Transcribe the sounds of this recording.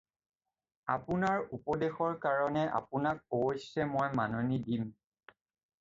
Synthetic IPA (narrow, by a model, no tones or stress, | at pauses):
apʊnaɹupɔdexɔɹkaɹɔnɛʔa̰punak̚oojsɛmojmanonidim